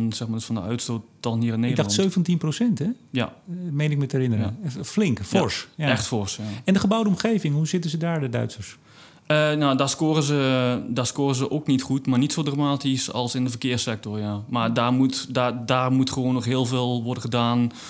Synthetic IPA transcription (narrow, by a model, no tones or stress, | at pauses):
nsɛxmadəsfɔndəœ̰ɥtstoːt̚dɔnhiərɪnːeɪɡdɑχsøːvəntinprosɛntɛja̰mejnɪkmətəɛrɪnərə̰flɪŋkfɔɹsɛxtfɔrsaɛndəχəbawdəɔmχeːvɪŋɦuzɪtəzədaːɹdədœ̰ɥtsərs | ənawdaskoːrəzədaskoːrəzəʔoknitχutmarnitsoːdramaːtisɔ̰lˠsɪndəfərkɪəsɛk̚tɔrjamardaːmutdadaːrmutχəʋoːnːɔxɦɪəlˠveːlˠʋɔrdəχədaːn